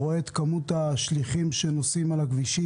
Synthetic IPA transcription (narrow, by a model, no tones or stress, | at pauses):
oeːt̪kamut̪aʃliχimʃenosimalakviʃi